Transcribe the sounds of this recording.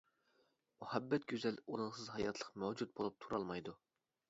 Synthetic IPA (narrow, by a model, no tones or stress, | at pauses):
muhɛbːɛt̪̚ɡʲyzɛlunɨŋsɨzɦɑjɑt̪ʰlˠə̥qmæwd͡ʒut̪̚bolˠup̚t̪ʰuɾɑlˠmɑjd̪u